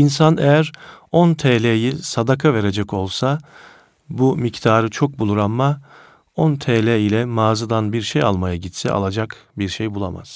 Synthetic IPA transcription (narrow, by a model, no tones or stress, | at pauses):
insanejæɾont̪ʰelʲejisad̪akʰave̞ɾe̞d͡ʒɛco̞lˠsa | bumict̪ʰaːɾɯt͡ʃʰo̞k̚bulˠuɾanma | ont̪ʰeːlʲɛilʲɛmaːzɯd̪anbiɾʃejalˠmajaɟit̪sɛ̰ʔa̰lˠad͡ʒakbiɾʃejbulˠa̰ma̰z̥